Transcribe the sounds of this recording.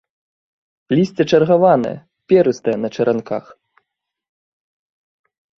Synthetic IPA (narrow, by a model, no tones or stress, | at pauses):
lʲisʲt͡sʲɛt͡ʂɐrɣavanɐ̰jɐ̰ | pʲɛɾɨst̪ɐjɛnɐt͡ʂɐɾʔanka̰x